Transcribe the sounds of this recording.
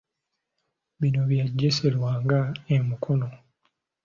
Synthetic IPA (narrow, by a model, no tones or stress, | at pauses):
βino̞βjaɟːese̞lwaːŋɡaemukʰono